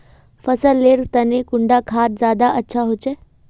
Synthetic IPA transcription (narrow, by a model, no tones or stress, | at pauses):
fɐsəlːeːɾt̪ɐnẽkʊ̃ɳɖakʰaːt̪̚zjaːd̪aʔɐtːɕʰaɦʊt͡ɕe